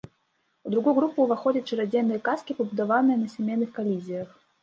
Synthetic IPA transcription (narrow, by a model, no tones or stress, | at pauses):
ud̪ɾuɣujuɣɾupuːvaxɔd͡zʲɐt̪ʲt͡ʂɨɾad͡zʲenːɨjɐkaskʲipɐbud̪avanɨjɐnɐsʲamʲejnːɨxkalʲizʲijɐx